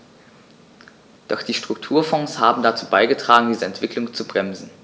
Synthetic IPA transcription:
d̥ɔχd̥iːʃtʁ̥ʊk̚tʰuːɐfɔ̃ŋshaːbm̩dat͡suːbaɪɡətʁ̥aːɡŋ̩diːzəɛntv̥ɪklʊŋt͡subʁɛmzn̩

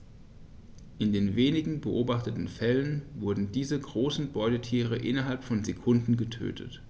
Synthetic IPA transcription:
ʔɪndeːnveːnɪɡŋ̩bəʔoːbaχtətn̩fɛlənvʊɐdn̩diːzəɡʁoːsn̩bɔʏdətʰiːʁ̞əʔɪnɐɦalpfɔnzekʰʊndn̩ɡətʰø̰ːtʰə̰t

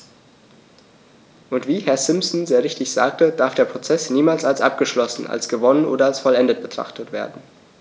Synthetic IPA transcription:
ʔʊntv̥iːhɛɐzɪmsn̩zeːʁɪçtɪçz̥a̰ːk̚təd̥aɐfd̥eːɐpʁ̥ot͡sɛsniːmaːlsalsʔa̰p̚ɡ̥əʃlɔsn̩a̰lsɡ̥əvɔnənʔo̰ːdɐalsfɔlɛndət̚b̥ətʁ̥a̰χtətv̥ḛːɐdn̩

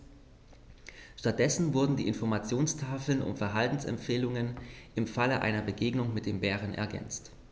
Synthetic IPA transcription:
ʃtat̚d̥ɛsn̩vʊɐdn̩diːʔɪ̰nfɔɐmat͡sjoːnstʰaːfl̩nʔʊ̰mfɛɐɦaltn̩sɛ̰mfeːlʊŋənʔɪmfaləʔa̰ɪnɐbəɡeːɡnʊŋmɪt̚d̥eːmbɛːʁənʔɛ̰ɐɡɛ̰nt͡st

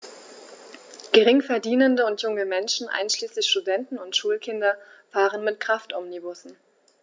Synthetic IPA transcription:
ɡ̥əʁɪŋfɛɐdiːnəndəʊntjʊŋəmɛnʃn̩ʔa̰ɪnʃliːslɪçʃtudɛntn̩ʊntʃuːlkʰɪndɐfaːʁənmɪt̚kʁ̥aftʔɔmnibʊsn̩

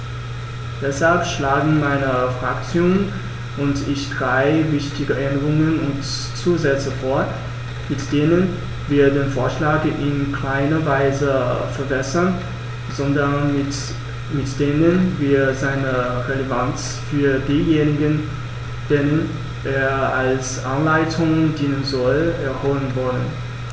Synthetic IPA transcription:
d̥ɛshalpʃlaːɡŋ̩maɪnəfʁ̥akt͡sjoːnn | ʔʊntɪçd̥ʁaɪvɪçtɪɡəʔɛndəʁʊŋənʊnt | t͡suːzɛt͡səfoːɐ | mɪtd̥eːnən | viːɐdeːnfoːɐʃlaːɡʔɪnkʰl̥aɪnɐvaɪzəfɛɐbɛsɐn | zɔndɐnɪ | mɪtd̥eːnənviːɐzaɪnəʁelevant͡s | fyːɐdiːjeːnɪɡən | d̥eːnən | ʔeːɐalsʔanlaɪtʰʊŋdiːnənzɔlʔɛɐhoːlənvɔlə̰n

